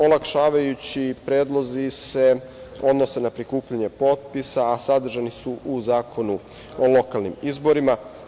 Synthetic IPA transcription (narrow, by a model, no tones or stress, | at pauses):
olˠakʃaːʋajut͡ɕipɾeːd̪lˠo̞zise̞o̞d̪no̞se̞napɾikuːpʎaɲe̞po̞t̪̚pisaːsad̪r̩ʒanisuʔuzaːkʰo̞nu | olo̞kalˠnḭmizbo̞ɾima